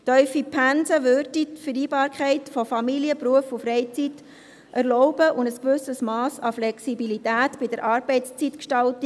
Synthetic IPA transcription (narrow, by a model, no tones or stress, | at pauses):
tœʏfipʰænsəʋøːɾditfəɾiːbɑːɾkʰχɛɪtfɔfɑmiliəpɾuəfʊfrɛɪt͡sit | ʔærlɔʊbəʔʊndəskʋʏsəsmɑːsɑflɛksibilitæːtbɪdəɾʔɑːɾbɛɪtst͡sitkʃtɑltə